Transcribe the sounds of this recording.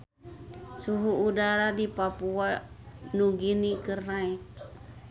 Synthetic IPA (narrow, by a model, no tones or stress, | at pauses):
suɦuːdaɾadipapuanuɡinikərnaik̚